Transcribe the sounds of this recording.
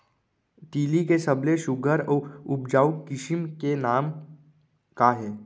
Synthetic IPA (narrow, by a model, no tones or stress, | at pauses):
t̪iːlikesɐbleʃʊɡʱəɾɔːʊp̚d͡ʒaːʊkːɪʃɪmkenaːm | kaɦɛː